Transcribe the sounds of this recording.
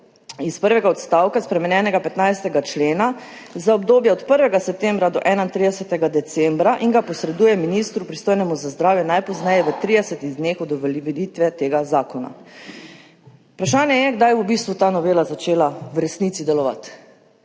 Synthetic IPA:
ispəɾʋɛɡaɔt̪st̪aːwkaspɾɛmɛnjɛːnɛɡapɛt̪najst̪ɛɡat͡ʃleːna | zaɔbd̪oːbjɛɔt̪pəɾʋɛɡasɛp̚t̪ɛmbɾad̪ɔʔɛːnaint̪ɾid̪ɛsɛt̪ɛɡad̪ɛt̪sɛmbɾaʔiŋɡapɔsɾɛd̪uːjɛminist̪ɾupɾist̪oːjnɛmuzazd̪ɾaːwjɛnajpɔznɛjɛʋət̪ɾid̪ɛsɛt̪iɣd̪nexɔd̪ɔʋlit̪ʋɛt̪eːɡazaːkɔna̰ | upɾaʃaːnjɛjɛɡd̪ajbɔbist̪ʋut̪aːnɔʋeːlazat͡ʃeːlawɾɛsniːt̪sid̪ɛlɔʋa̰t̪

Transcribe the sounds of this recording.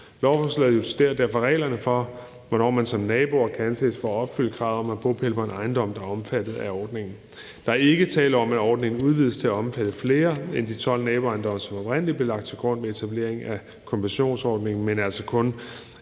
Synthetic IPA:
lɒʊfɒslɛðˠjo̝sʰed̥æɐ̰d̥æɐ̰fɒ̽ʁɛ̰ːlɐnəfɒ̽ | ʋɒnɒ̰ːmænsɒ̽mnɛːb̥o̝ɐkʰæænse̝̰ːsfɒ̰ːɒ̽b̥fyl̰əɡ̥ʁɑ̰̈ːðˠɒ̽mæb̥o̰ːpʰeləpʰɒ̽e̝nɑ̈ɪnd̥ɒ̽m̰d̥ɑ̈ɒ̽mfæd̥ð̞̩ˠæɒːd̥ne̝ŋn̩ | d̥ɑ̈æɐe̝ɡ̥ət͡sʰɛ̰ːləɒ̽mæɒːd̥ne̝ŋn̩uð̞ˠʋið̞̰ˠst͡sʰe̝æɒ̽mfæd̥əfle̝ːɐend̥it͡sʰɒ̽l̰nɛːb̥oɑ̈ɪnd̥ɒ̽məsɒ̽mɒ̽b̥ʁen̰əlib̥le̝lɑ̈ɡ̥̚d̥̚t͡sʰe̝lɡ̥ʁɔ̽n̰ʋee̝t͡sʰæb̥le̝ɐ̰e̝ŋæ | kʰɒ̽mbæɕo̝̰ːnsɒːd̥ne̝ŋn̩menæl̰sɒkʰɔ̽n

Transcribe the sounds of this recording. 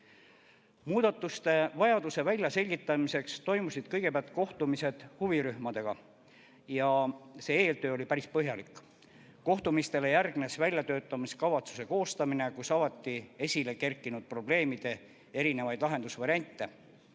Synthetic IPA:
muːd̪̥ɑt̪ːˑust̪e̞vɑjɑd̪use̞vælʲjɑse̞lʲɡ̥it̪ːˑɑmise̞kst̪o̞jmusid̪̥kɤjɡ̥e̞pæɑlt̪̚ˑko̞ht̪umise̞d̪̥huviɾyhmɑd̪̥e̞ɡ̥ɑ | jɑse̞ːe̞ːlt̪ø̞ːo̞lʲipæɾispɤɦjɑlikːˑ | kːo̞ht̪umist̪e̞lejærɡne̞svælʲjɑt̪ø̞ːt̪ːˑɑmiskɑvɑt̪su̥se̞ko̞ːst̪ɑmine̞kusɑvɑt̪ˑːie̞sʲile̞ke̞rkːˑinud̪̥̚pro̞ble̞ːmid̪̥e̞ | e̞ɾine̞vɑjd̪lɑɦe̞nd̪usvɑɾʲiɑnʲt̪ːˑe̞

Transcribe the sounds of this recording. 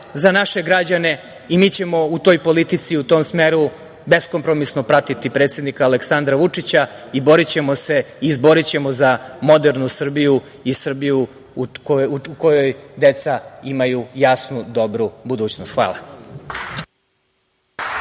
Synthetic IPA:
zanaʃe̞ɡɾad͡ʑane̞ | imiːt͡ɕe̞mo̞ut̪o̞jpo̞lit̪it̪siut̪o̞ːmsmeːɾu | be̞skompɾomisnopɾat̪it̪ipɾe̞ːt̪sjed̪nikaːle̞ksand̪ɾaʋut͡ʂit͡ɕaibo̞ɾit͡ɕe̞mo̞se̞izbo̞ɾit͡ɕe̞mo̞zamo̞d̪eɾnusr̩biju | isr̩biju | ukojojd̪e̞t̪saimajujasnud̪o̞bɾubud̪uːt͡ɕnost̪xʋa̰ːlˠa

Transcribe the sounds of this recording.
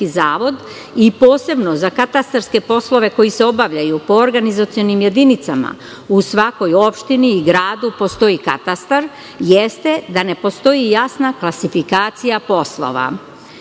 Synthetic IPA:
izaːʋo̞d̪ | ipo̞ːse̞bno̞zakat̪ast̪aɾske̞po̞slˠo̞ʋe̞ko̞jise̞o̞baʋʎajupo̞ːɾɡanizat̪sijonimje̞d̪init̪sama̰ | usʋako̞jo̞pʃt̪iniːɡɾaːd̪upo̞st̪o̞jika̰t̪ast̪aɾ | jest̪e̞d̪ane̞po̞st̪o̞jijasnaklˠasifikaːt̪sijapo̞slˠo̞̰ʋa̰

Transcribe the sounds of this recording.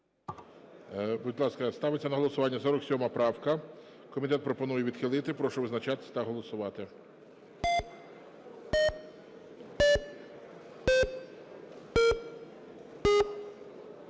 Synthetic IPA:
bud̪ʲlˠɑskɐst̪ɑʋɪt͡sʲːɐnɐɦɔlˠɔsʊʋɑnʲːɐsɔɾɔksʲɔmɐpɾɑwkɐ | kɔmʲit̪̬ɛt̪̚pɾɔpɔnujɛʋʲid̪xɪlˠɪt̪ɪpɾɔʃʊʋɪznɐt͡ʃɑt̪ɪ̥sʲt̪ɐɦɔlˠɔsʊʋɑt̪ɪ

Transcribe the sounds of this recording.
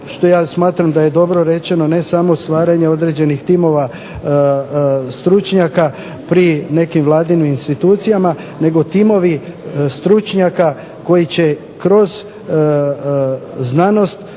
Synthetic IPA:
ʃt̪o̞jaːsmaːt̪ɾamd̪aje̞d̪o̞bɾo̞ɾe̞t͡ʃe̞no̞ne̞samo̞st̪ʋaːɾaɲe̞o̞d̪ɾe̞d͡ʑe̞nixt̪imo̞ʋa | st̪ɾut͡ʃɲaka | pɾine̞kimʋlˠaːd̪inuinst̪it̪uːt̪sijama | ne̞ɡo̞t̪imo̞ʋist̪ɾut͡ʃɲaka | ko̞jit͡ɕe̞ | kɾo̞z | znano̞st̪

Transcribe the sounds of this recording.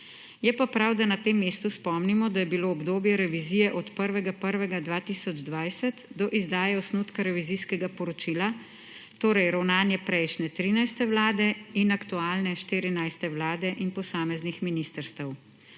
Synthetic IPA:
jɛpapɾawd̪anat̪emːeːst̪uspɔmnimɔd̪ajɛbiloːbd̪oːbjɛɾɛʋizijɛʔɔt̪pəɾʋɛɡapəɾʋɛɡad̪ʋaːt̪isɔd͡ʒd̪ʋajsɛt̪d̪ɔʔizd̪aːjɛɔsnuːt̪kaɾɛʋiziskɛɡapɔɾɔt͡ʃila | t̪oːɾɛjɾawnaːnjɛpɾɛjʃnɛt̪ɾiːnajst̪ɛwlaːd̪ɛinakt̪uaːlnɛʃt̪iɾinajst̪ɛwlaːd̪ɛʔinpɔsaːmɛznixminist̪əɾst̪əw

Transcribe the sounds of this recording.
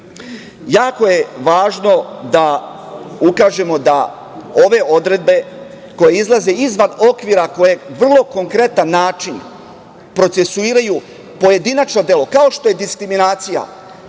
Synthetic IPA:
jaːko̞je̞ʋaːʒno̞d̪a | ukaːʒe̞mo̞d̪a | o̞ʋe̞ʔo̞d̪ɾe̞d̪̚be̞ | ko̞je̞izlˠaze̞izʋano̞kʋiːɾako̞je̞ʋr̩lˠo̞ko̞ŋkɾe̞t̪anːaːt͡ʃin | pɾo̞t̪se̞suiːɾaju | po̞je̞d̪inat͡ʃno̞d̪je̞lo̞kao̞ʃt̪o̞je̞d̪iskɾiminaːt̪sija̰

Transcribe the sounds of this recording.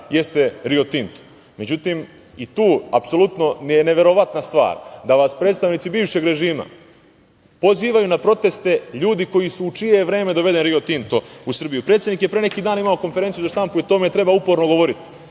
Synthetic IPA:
je̞st̪e̞ɾiot̪int̪o̥ | me̞d͡ʑut̪im | it̪uːapsolut̪no̞nijene̞ʋe̞ɾo̞ʋat̪nast̪ʋa̰ːɾd̪aʋaːspɾet̪st̪aʋnit̪sibiːʋʃe̞ɡɾe̞ʒiːma̰ | po̞ziːʋajunapɾo̞t̪e̞st̪e̞ʎuːd̪iko̞jisuːt͡ʃije̞ʋɾe̞ːme̞d̪o̞ʋe̞d̪enɾiot̪int̪o̞usr̩bijupɾet̪sed̪nikjepɾene̞kiːd̪aːnimao̞ko̞nfeɾe̞nt̪ijuzaʃt̪ampuit̪oːmjet̪ɾe̞baupo̞ɾno̞ɡo̞ʋo̞ɾit̪i̥

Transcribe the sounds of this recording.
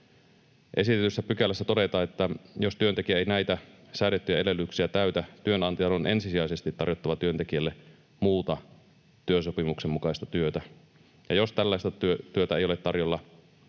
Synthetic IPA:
ʔe̞sit̪et̪ysːæpykælːæsːæt̪o̞det̪ɑːet̪ːæjost̪yønt̪ekiæejnæjt̪æ | sæːɾet̪ːyjæe̞lelːˑyksiæt̪æyt̪æt̪yønɑnt̪ijɑnonʔe̞nsisiɑisest̪it̪ːɑrjot̪ːɑʋɑt̪yø̞nt̪ekiælːe | muːt̪ɑ | t̪yøsopimuksemmukɑist̪ɑt̪yøt̪æ | jɑjost̪ælːæist̪ɑt̪yøt̪yøt̪æe̞jolet̪ːɑrjolːɑ

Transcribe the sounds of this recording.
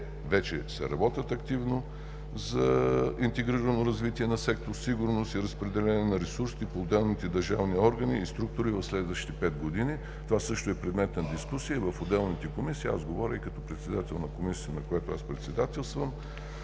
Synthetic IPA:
vɛt͡ʃɛsɛ̰ɾɐbɔt̪ʲət̪ɐkt̪ivno | zɐint̪ɛɡɾiɾɐnoɾɐzvit̪iɛnɐsɛk̚t̪oɾsiɡʊɾnost̪iɾəspɾɛd̪ɛlɛnɛnɐɾɛsuɾsiipoːd̪ɛlˠnit̪ɛd̪ɐɾʒavniɔɾɡəniːst̪ɾuk̚t̪ʊɾivɐfslɛd̪vəʃi̥t̪ɛpɛd̪̚ɡod̪ini | t̪ovasɤʃt̪oɛpɾɛd̪mɛt̪nɐd̪iskusiəvəfod̪ɛlˠnit̪ɛkomisiːa̰zɡovɔɾʲəikɐt̪ɔpɾɛt̪sɛd̪at̪ɛlˠnɐkomisi̥t̪ənɐkojat̪oa̰spɾɛt̪sɛd̪at̪ɛlˠst̪vəm

